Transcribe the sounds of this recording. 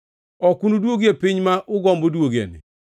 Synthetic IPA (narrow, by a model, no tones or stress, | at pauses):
ɔkunudwoɡepɪɲmaʔʊɡɔmbodwoɡḛnɪ̰